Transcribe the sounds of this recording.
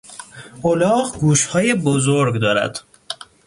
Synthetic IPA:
ʔolɒːʁɡuːʃhɒːjebozoɾɡd̪ɒːɾæ̰d̪̥

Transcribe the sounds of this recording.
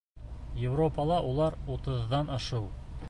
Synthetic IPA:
jɪvɾopɑlˠɑʔulˠɑɾut̪ɤ̆ðːɑnɑʃɤw

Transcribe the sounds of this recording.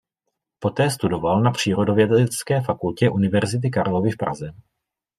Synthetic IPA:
po̞t̪ɛːst̪udo̞valnapr̝̥iːɾo̞dovjɛt̪ɛskɛːfakulcɛʔunɪvɛɾzɪt̪̬ɪkaɾlo̞vɪfpɾa̰zɛ

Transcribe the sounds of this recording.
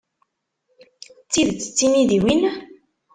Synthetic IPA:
t͡sːiðt͡sːə̥t͡sːimiðiwin

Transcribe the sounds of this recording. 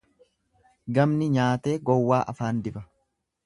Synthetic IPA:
ɡɐmnɪɲaːt̪e̞ːɡɔwːaːʔɐ̰faːnd̪ɪbɐ

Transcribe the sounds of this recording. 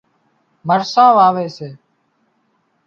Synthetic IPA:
məɾsãːʋaːʋeːseː

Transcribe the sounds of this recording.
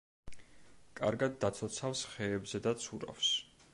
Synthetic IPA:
kʼa̰ɾɡad̪̚ːat̪sʰɔt̪sʰafsχɛːbzɛd̪at̪sʰuɾa̰fs

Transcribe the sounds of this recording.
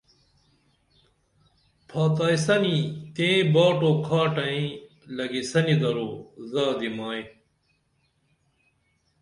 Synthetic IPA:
pʰaːt̪aːjsɐnit̪ẽbaːʈoːkʰaːʈɐĩ | lɐɡisɐnid̪ɐɾozaːd̪imaːĩ

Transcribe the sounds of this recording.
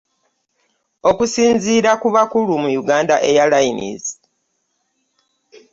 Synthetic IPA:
okusiːnziːɾakuβakulumujuɡaːndaʔe̞jalajinḭzi̥

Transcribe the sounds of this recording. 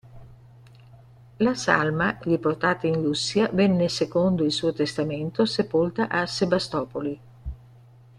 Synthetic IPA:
lasa̰lmaʎiport̪aːt̪ainlusːjavɛnːesekond̪oilsuːot̪est̪ament̪osepolt̪aʔasebast̪ɔːpoli

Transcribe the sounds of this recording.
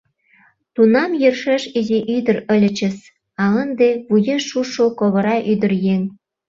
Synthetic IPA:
t̪unɑmjerʃeʃizeʔyd̪ə̆rə̆lʲə̆t͡ɕə̆s | ɑlə̆nd̪eβujeʃuʃokoβɤ̆ɾɑʔyd̪ə̆rjeŋ

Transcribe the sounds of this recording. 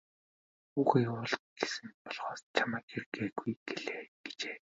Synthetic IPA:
uːxejʊːɮt̚ɡ̥esɘ̆mpɔɮʁɔːst͡ɕʰamæːkʰerkeːɣujɡeɮeːɡ̥e̥t͡ɕeː

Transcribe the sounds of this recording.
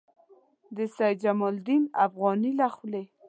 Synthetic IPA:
d̪əsad͡ʒamɔld̪inafɣɔnilaxle

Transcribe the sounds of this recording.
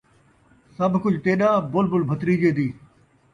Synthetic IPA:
sɐbʱkʊd͡ʑʱt̪eːɗãːbʊlbʊlbʱɐt̪ɾiːd͡ʒeːd̪iː

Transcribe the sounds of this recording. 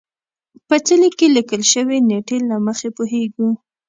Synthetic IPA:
pət͡səlikelikəlʃəweneʈelaməxepoɦeɡu

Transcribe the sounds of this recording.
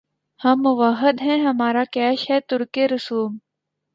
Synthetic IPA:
hɐmːʊʋɐɦəd̪ɦɛ̃ɦɐmaːɾakɛːʃɦɛt̪ʊɾkeɾʊsuːm

